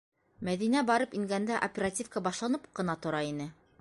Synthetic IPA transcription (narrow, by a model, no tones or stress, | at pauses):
mæðinæbɑɾɤpiŋɡænd̪æʔopʲeɾatʲifkəbɑʃlˠɑnɤp̚qɤ̆nɑt̪ŏɾɑin̪ɘ